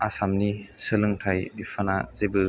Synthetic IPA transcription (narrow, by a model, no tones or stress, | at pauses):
asamnisɯlɯŋtʰajbipʰana̰zebɯ